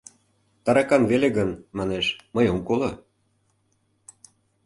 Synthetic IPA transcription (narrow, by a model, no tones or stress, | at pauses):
t̪ɑɾɑkɑnveleɣənmɑneʃməjomkolˠo